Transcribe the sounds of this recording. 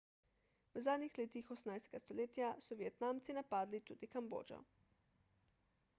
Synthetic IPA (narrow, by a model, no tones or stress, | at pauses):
wəzaːd̪nixleːt̪ixɔsnajst̪ɛɡast̪oleːt̪jasɔʋjɛt̪naːmt̪sinapaːd̪lit̪uːd̪ikambo̰ːd͡ʒɔ̰